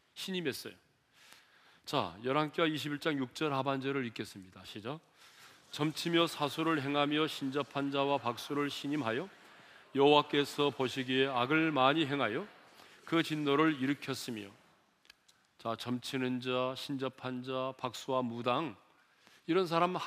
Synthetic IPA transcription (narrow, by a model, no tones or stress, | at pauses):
ɕʰiɲime̞s͈ʌ̰jo | t͡ɕa̰jʌɾɦaŋk͈ewaiɕ̬ʰibiɭt͡ɕ͈aŋjuk̚t͡ɕ͈ʌɾɦaband͡ʑʌɾɯɾik͈es͈ɯmɲidaɕʰid͡ʑʌ | t͡ɕʌmt͡ɕʰimjʌsʰasʰuɾɯɭɦe̞ŋɦamjʌɕʰind͡ʑʌpʰand͡ʑawapak̚s͈uɾɯɭɕʰiɲimɦajo | jʌɦowak͈e̞sʰʌpoɕʰiɡieaɡɯɭmaɲiɦe̞ŋɦajo | kɯt͡ɕinːoɾɯɭiɾɯkʰjʌs͈ɯmjo̰ | t͡ɕat͡ɕʌmt͡ɕʰinɯnd͡ʑaɕʰind͡ʑʌpʰand͡ʑapak̚s͈uwamudaŋ | iɾʌns̬ʰaɾam